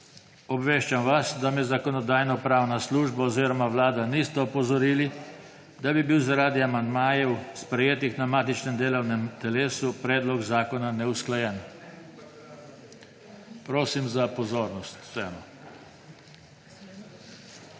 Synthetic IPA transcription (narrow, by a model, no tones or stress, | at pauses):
ɔbʋeːʃt͡ʃamʋasd̪amɛzakɔnɔd̪aːjnɔpɾaːwnasluːʒbaɔziːɾɔmaʋlaːd̪anist̪ɛɔpɔzɔɾiːli | d̪abibiwzaɾaːd̪iamand̪maːjɛwspɾɛjeːt̪ixnamaːt̪it͡ʃnɛmd̪eːlɔwnɛmt̪ɛleːsupɾɛːd̪lɔɡzaːkɔnanɛusklajɛn | pɾoːsimzapɔzoːɾnɔst̪w̥sɛːmɔ